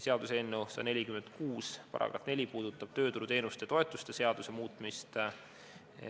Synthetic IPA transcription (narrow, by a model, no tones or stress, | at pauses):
seɑd̪useenːusɑ̰ne̞lʲikymend̪̥̚kuːspɑ̰ɾʔɑ̰kɑ̰t̪ne̞lʲipuːd̪̥ut̪ːˑɑb̥̚t̪ø̞ːt̪uɾut̪e̞ːnust̪et̪o̞e̞t̪ːˑust̪ese̞ɑd̪̥use̞muːt̪ˑmist̪